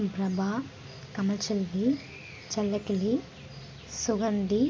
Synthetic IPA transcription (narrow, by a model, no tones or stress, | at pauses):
pɾɐbaː | kɐmɐlt͡ʃɐldi | t͡ʃɐlːɐkili | suɡɐɳɖi